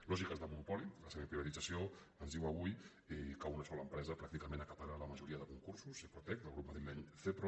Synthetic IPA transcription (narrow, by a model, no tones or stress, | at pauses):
lɔʒikəzðəmunupɔliləseβəpɾiβət̪id͡zəsio | ənzðiwəβ̞uj | ɛkaunəsɔləːmpɾɛzəpɾakt̪ikəmẽnəkap̪aɾaləməʒuɾiəðəkuŋkursusepɾut̪ɛk̚t̪əlˠɣɾup̚maðɾilɛɲθepɾo